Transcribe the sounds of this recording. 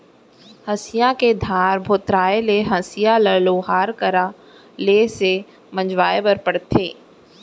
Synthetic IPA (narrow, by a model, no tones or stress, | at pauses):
hɐsɪjãked̪ʱaːɾbʱoːt̪ɾaːeleɦɐsɪjaləloːɦaːɾkəɾa | lese | mə̃d͡ʒwaːebəɾpəɽt̪ʰeː